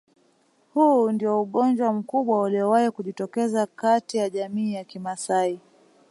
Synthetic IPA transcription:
hundiɔuɠɔnd͡ʒwam̩kuɓwauliɔwaikuʄitɔkɛzakatijaʄamiːjakimasai

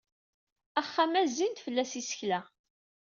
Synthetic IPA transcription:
æχːæmæzint̪fəlːæsisə̥çlæ

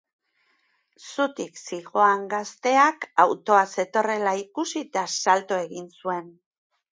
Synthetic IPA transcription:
sut̪iksiɣo̞aŋɡast̪e̞akawt̪o̞ase̞t̪o̞re̞laikusit̪asalt̪oe̞ɣinsue̞n

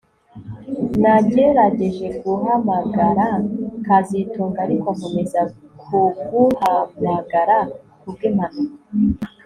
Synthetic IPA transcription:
naɟeɾaɟe̞ʒe̞ɡuɦamaɡaɾakazituːŋɡaɾikoakome̞zakʰuɡuhamaɡaɾa | kub̚ɡemano

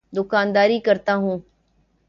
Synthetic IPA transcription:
d̪ʊkaːnd̪aːɾiːkəɾt̪aːɦũː

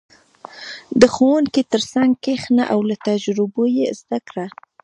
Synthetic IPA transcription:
d̪əxowunkit̪əɾsaŋɡkexnaʔawlat̪ad͡ʒɾɪbojezd̪akɽa

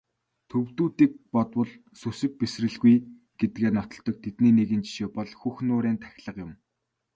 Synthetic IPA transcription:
t̪ʰɵwt̪uːt̪iːk̚pɔt̪wə̆ɮ | sɵsɘ̆k̚pesrɘ̆ɮɣuj | ɡ̥et̪ɘɡeːnɔt̪ɞ̆ɮt̪ɞ̆k̚t̪ʰet̪niːneɣɘ̆nt͡ɕi̥ʃeːpɔɮxuxnʊːɾeːnt̪ʰæ̥x̆ʲɮə̆qjʊm

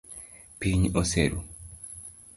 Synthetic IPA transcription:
piɲosḛɾṵ

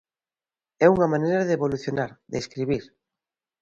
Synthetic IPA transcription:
ɛuŋamãnejɾaðeːβoluθjonaɾðeskɾiβiɾ

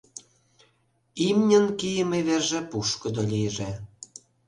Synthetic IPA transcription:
imnʲə̆nkijəmeβerʒĕpuʃkɤ̆d̪olʲijʒe

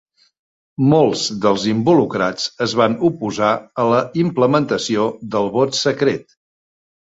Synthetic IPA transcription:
molˠzðəlˠzimbulukɾat͡səzβanupuzaələimpləmənt̪əsioðəlˠβɔt̪səkɾet̪

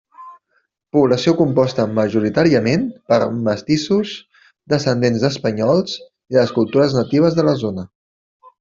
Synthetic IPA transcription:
puβləsiokumpɔst̪əməʒuɾit̪aɾiəmenpəɾməst̪isuz | d̪əsənd̪enzðəspəɲɔlˠz̥ | iðəskulˠt̪uɾəznət̪iβ̞əzðələzonə

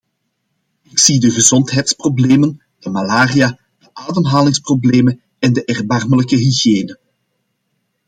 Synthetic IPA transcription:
ɪksidəɣəzɔntɦɛjtsprobleːmən | d̥əmalaːrija | d̥əʔaːdəmɦaːlɪŋsprobleːmən | ɛndəʔɛrbɑrmələkəɦyɣjeːnə

